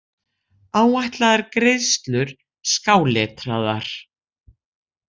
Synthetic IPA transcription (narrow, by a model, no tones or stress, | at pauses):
aːwajht̪laðaɾkɾɪðst̪lʏɾ̥ | skaːwlɛːt̪ɾaðaɾ̥